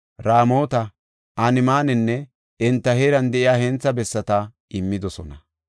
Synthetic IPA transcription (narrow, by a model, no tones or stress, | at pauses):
ɾaːmo̞ːt̪ɐ | ʔɐnɪmaːnɛnːɛ | ɛnt̪ːɐheːɾɐnd̪ɛʔɪjaːhɛnt͡sːɐbɛsːɐt̪ɐ | ʔɪmːɪd̪ɔsɔnɐ